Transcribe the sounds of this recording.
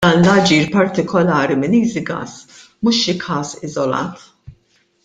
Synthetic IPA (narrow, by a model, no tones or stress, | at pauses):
ɐːnlɐd͡ʒiːɾpɐɾt̪ɪkʰɔlɐːɾimɪniːzɪɡɐ̰ːs | mʊʃɪkʰɐːsɪzɔlɐ̰ːt̪